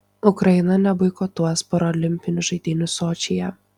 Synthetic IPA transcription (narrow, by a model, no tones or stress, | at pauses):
ʊkɾɐjɪnɐnʲɛbɐɪkoːt̪uɔspɔɾɔːlʲɪmʲpʲɪnʲʊʒɐɪd̪ʲɪnʲʊsoːt͡ʃʲɪjɛ